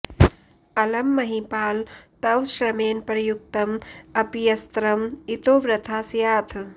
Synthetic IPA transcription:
ɐlɐmːɐɦipaːlt̪ɐwʃɾɐmeːnpɾjuk̚t̪ɐmɐpjɐst̪ɾɐmit̪oːʋɾɐt̪ʰaːsjaːt̪ʰ

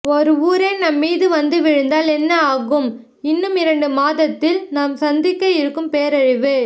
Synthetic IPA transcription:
ɔɾɯuːɾeːnɐmːiːðɯʋɐnd̪ɯʋɪɻɯnd̪aːlɛnːɐaːɣɯm | ɪnːɯmɪɾɐɳɖɯmaːðɐt̪ːɪlnaːmsɐnd̪ɪkːɐjɪɾɯkːɯmpeːɾɐɻɪʋɯ

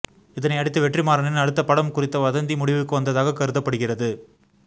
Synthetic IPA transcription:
ɪðɐnɐɪɐɽɪt̪ːɯʋɛʈrimaːɾɐnɪnɐɽɯt̪ːɐpɐɽɐmkʊrɪt̪ːɐʋɐðɐnd̪imʊɽɪʋɯkːɯʋɐnd̪ɐðaːɣɐkɐɾɯðɐpːɐɽɯɣɪrɐðɯ

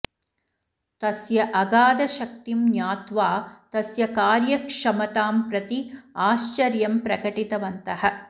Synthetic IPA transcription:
t̪ɐsjɐʔɐɡaːd̪ɐʃɐk̚t̪imnjaːt̪ʋaːt̪ɐsjɐkaːɾjɐkʂɐmɐt̪aːmpɾɐt̪iaːʃt͡ʃɐɾjɐmpɾɐkɐʈit̪ɐʋɐnt̪ɐɦɐ̆

